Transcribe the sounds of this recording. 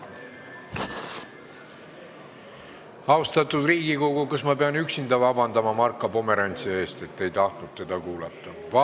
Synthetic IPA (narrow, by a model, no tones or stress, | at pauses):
ɑost̪ɑt̪ːˑud̪riːɡ̥iko̞ɡ̥ukɑsmɑpeɑnyksind̪ɑvɑvɑnd̪ɑmɑmɑrkːˑɑpo̞me̞ɾɑnʲt̪sie̞ːst̪e̞t̪ːe̞jt̪ɑht̪nud̪̚t̪ːe̞d̪̥ɑkuːlɑt̪ːˑɑ | vɑ